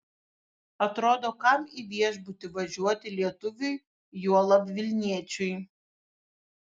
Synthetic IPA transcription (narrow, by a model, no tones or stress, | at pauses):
ɐt̪ɾoːd̪oːkɐmiʋʲiɛʒbʊt̪ʲɪʋɐʒʲuɔt̪ʲɪlʲiɛt̪ʊʋʲʊj | juɔlˠɐpʲʋʲɪlʲnʲiɛt͡ʃʲʊj